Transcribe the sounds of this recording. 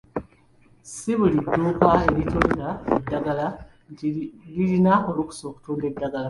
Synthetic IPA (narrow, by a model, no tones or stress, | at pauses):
siβuliduːkwaeɾituːndaedːaɡala | ntililinaholuku̥soku̥tuːndedːaɡala